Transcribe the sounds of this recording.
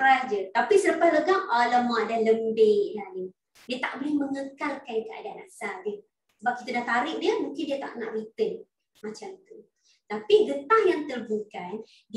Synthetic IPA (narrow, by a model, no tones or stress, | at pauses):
ɾasd͡ʒət̪apisələpasləɡaŋələmãdahləmbeʔlahni | diat̪a̰ʔ̚bolɪhməŋəkalkankəa̰danasadə | səbap̚kit̪adaht̪aɾɪʔ̚diəmũŋkɪndiat̪a̰ʔna̰ʔrit̪ən | mat͡ʃamt̪u | t̪apiɡət̪ahjaŋt̪ərbukan | d